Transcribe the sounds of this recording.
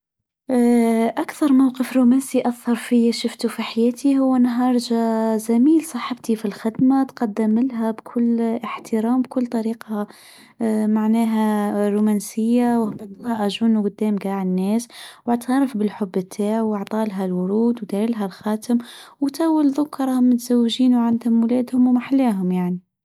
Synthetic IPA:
ʔakθɑɾˤmawqəfɾumænsiʔaθːɑɾˤfijʃʊft̪ufiħajɛːt̪ʰiɦʊwːænɦɑːɾˤʒazæmiːlsˤɑħəbt̪ifilxɪd̪mat̪qɑd̪ːəmːɪlɦæbkʰʊlːəħt̪əɾɑːmb̚kʊlːt̪ˤɑɾiːqɑ | maʕnæɦæɾumænsəjːawhbad̪ɑʔæʒunuwɡʊd̪ːæːmɡaːʕənːɛːswaʕt̪hɑɾˤɑfbɪlħʊbːət̪ʰːæːʕwɑʕt̪ˤɑːlɦælwʊɾuːd̪wd̪æɾilɦælxɑːt̪əmwt̪æwːəlðʊkːɾˤɑmɪt̪z̥æwːʒiːnwʕand̪hʊmwlæːd̪hʊmwmaħalːæːɦʊmjaʕni

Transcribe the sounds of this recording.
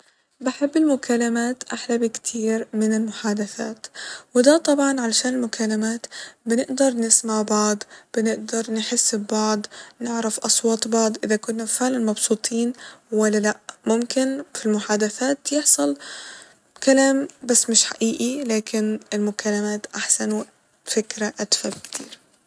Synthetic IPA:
bɪħɪbːɪlmʊkalːamaːt̪ʔaħlabɪkt̪ʰiːɾmɪnɪlmʊħaːd̪aθa̰ːt̪wɪd̪at̪ˤɑbʕɑnʕalaʃaːnɪlmʊkʰalːamaːt̪bɪnɪʔd̪ɑɾˤnɪsmaʕbɑʕd̪ˤb̥ɪnɪʔd̪ɑɾˤnħɪsːbbɑʕd̪ˤnɪʕɾafʔɑsˤwɑːt̪ˤbɑʕd̪ˤʔɪðakʊnːafɪʕlanmɑbsˤuːt̪ʰˤiːnwalːalaʔmʊmkɪnfilmʊħaːd̪aθaːt̪jɪħsˤɑl | kalaːmbasːmɪʃħaʔiːʔilaːkɪnɪlmʊkalːamaːt̪ʔaħsan | fɪkɾaʔad̪fabkt̪ʰḭːɾ

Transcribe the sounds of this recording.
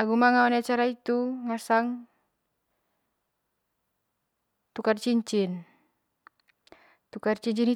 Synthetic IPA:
aɡumaŋaɔniat͡ʃaɾait̪uŋasaŋ | t̪ukart͡ʃiɲt͡ʃin | t̪ukart͡ʃiɲt͡ʃini

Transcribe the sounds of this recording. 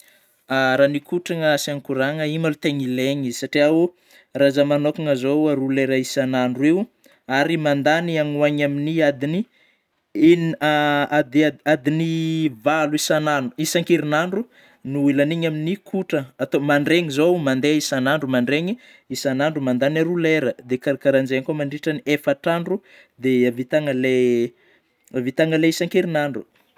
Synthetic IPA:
aɾanikʰuʈ͡ʂaŋəsiaŋkuɾaŋəimalut̪eŋileɲizisaʈ͡ʂiau | razamanokaŋəzowaruleɾaisanaɳɖ͡ʐuew | aɾimand̪aniaŋwaɲaminiad̪ini | enad̪aad̪inivaluisananu̥isaŋkiɾinaɳɖ͡ʐu | nuilaniɲaminikʰuʈ͡ʂəːt̪omaɳɖ͡ʐeŋizowmand̪eisanaɳɖ͡ʐumaɳɖ͡ʐeɲi | isanaɳɖ͡ʐumand̪anaɾuleɾəd̪ekaɾakaɾand͡ʒeŋkomaɳɖ͡ʐiʈ͡ʂəniefaʈ͡ʂaɳɖ͡ʐu | d̪eavit̪aŋəle | avit̪aŋəleisaŋkiɾinaɳɖ͡ʐu

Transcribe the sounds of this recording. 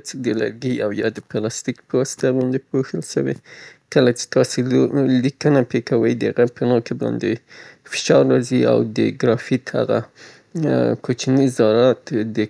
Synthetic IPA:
t͡səd̪əla̰ɾɡiawjɑd̪əpalɑst̪ikpəwɑsɪ̥t̪abɑnd̪epoxəlʃa̰wḛkəlat͡ʃe̥t̪ɑselikənapekawəjd̪əhaɣapənɑkabɑ̰nd̪efɪ̥ʃɑɾːɑzia̰wd̪ə̰ɡɾɑfit̪ha̰ɣa̰ | kot͡ʃnizɑɾɑt̪d̪ə

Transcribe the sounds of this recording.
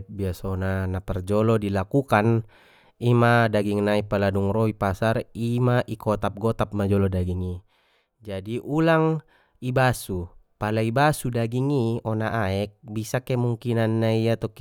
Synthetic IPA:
t̪̚biasɔnanapɛrd͡ʒɔlɔdilakukan | imadaɡiŋnaipaladuŋrɔipasarimaʔikɔt̪ap̚ɡɔt̪ap̚mad͡ʒɔlɔdaɡiŋi | d͡ʒadiʔulaŋ | ibasupalaibasudaɡiŋiɔnaʔaɛk̚bisakɛmuŋkinanːaiat̪ɔk

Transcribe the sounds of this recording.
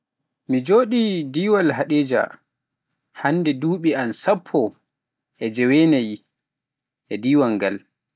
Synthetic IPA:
mid͡ʒoːɗidiːwalɦaɗeːd͡ʒa̰ | handɛduːɓiansapʰːɔ | ʔɛd͡ʒɛwɛnaj | ʔɛdiːwaŋɡal

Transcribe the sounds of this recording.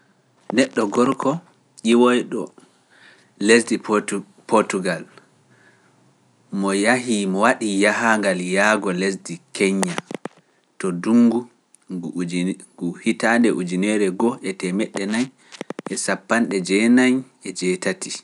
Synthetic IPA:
nɛɗːɔɡɔɾkʰɔ | ʔiwɔjɗɔ | lesdi | pɔtuɡal | mɔjaɦimɔwaɗijaɦaŋɡaljaːɡɔles̬dikʰɛɲːa | tɔduŋɡu | ɡuhitandɛʔud͡ʒinɛɾɛɡɔʔɛtɛmɛɗːɛnaɲ | ʔɛsapːanɗɛd͡ʒɛnaɲ | ɛd͡ʒɛːtati

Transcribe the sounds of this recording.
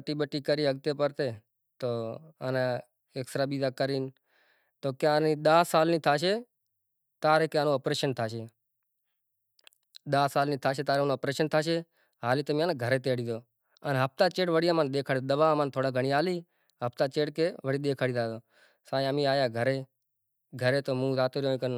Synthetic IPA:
əʈiːɓəʈiːkəɾiːəɡt̪eːpəɾt̪eː | t̪oːəne | eksəɾaːɓiːd̪aːkəɾiːn | t̪oːkjãːniːɗ̪aːsaːlniːt̪ʰaːʃeː | t̪aːɾeːkːaːnõːəpɾeːʃənt̪ʰaːʃeː | ɗ̪aːsaːlniːt̪ʰaːʃeːt̪aːɾenõːəpɾeːʃənt̪ʰaːʃeː | ɦaːliːt̪əmĩːanːɡʱəɾeːt̪eːəɽiːd̪oː | ənɦəp̚t̪aːt͡ʃeːʈʋəɽijaːmaːnɗ̪eːkʰaːɽid̪əʋaːmaːnt̪ʰoːɽaːɡʱəɳiːaːliː | ɦəpt̪aːt͡ʃeːʈkeːʋəɽiːɗ̪eːkʰaːɽiːt̪ʰaːd̪oː | saːĩəmĩːaːjaːɡʱəɾeː | ɡʱəɾeːt̪oːmũːzaːt̪oːɾjoːĩːkəɾ

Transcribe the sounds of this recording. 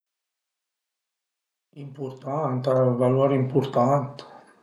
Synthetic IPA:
impuɾt̪ant̪aβaloɾimpuɾt̪ant̪

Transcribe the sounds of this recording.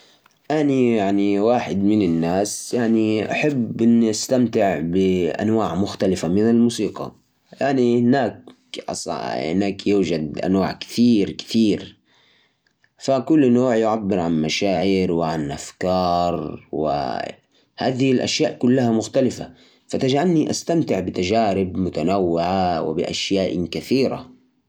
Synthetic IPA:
ʔanijaʕniwaːħɪd̪mɪnɪnːaːsjaʕniʔaħabʔɪnːʔast̪amt̪ɪʕbɪʔa̰nwaːʕmʊxt̪alɪfamɪnɪlmuːsiːqɑ̰ | jaʕnihɪnaːk | ʔɑ̰sˤhɪ̰naːkjuːd͡ʒad̪ʔa̰nwaːʕkɪ̥θiːɾkɪ̥θiːɾ | fakʊlːnoːʕjʊʕabːɪɾʕanmaʃaːʕɪɾwɪʕanʔafkɑːɾˤwɪ̰ | haːðɪhilʔa̰ʃjaːʔkʊlːahamʊxt̪alɪfa̰ | fat̪ad͡ʒʕalniʔast̪amt̪ɪʕbɪt̪ad͡ʒaːɾɪbmʊt̪anawːɪʕawɪ̰bɪ̰ʔa̰ʃjaːʔkaθiːɾa̰

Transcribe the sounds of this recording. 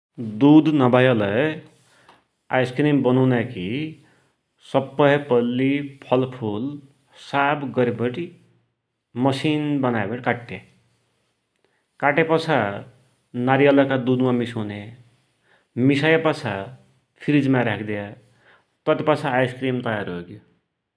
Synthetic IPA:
d̪ud̪nʌbajʌlʌ | ajskɾimbʌnʌwnaki | sʌbːʌjpʌlːipʰʌlpʰul | sabɡʌɾibʌʈi | mʌsinbʌnajbʌʈikaʈːe | kaʈepʌt͡sʰa | naɾijʌlʌkad̪ud̪mamisune | misajpʌt͡sʰa | pʰiɾid͡zmaɾakʰd̪eja | t̪ʌt̪ipʌt͡sʰaːjskɾimt̪ʌjaɾɦoko

